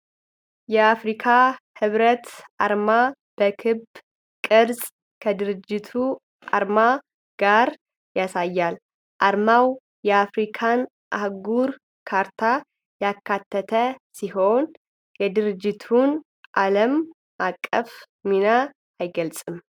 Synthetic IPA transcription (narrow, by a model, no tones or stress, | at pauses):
jɛafɾikʰahɨβɾət̪ʔaɾma | b̥əkʰɨb | kʼɨɾzʼ | kʰəd̪ɨɾɨd͡ʒːɪt̪ʰu | ʔa̰ɾma | ɡ̥aɾ | jasajːal | ʔaɾmaw | jɛafɾikʰan | ʔahɡuɾ | kʰaɾt̪ʰa | jakːat̪ʰːət̪ʰəsiɦo̞n | jɛd̪ɨɾɨd͡ʒːɪt̪ʰun | ʔaləm | akʼːəf | minaː | jɡəlsʼɨm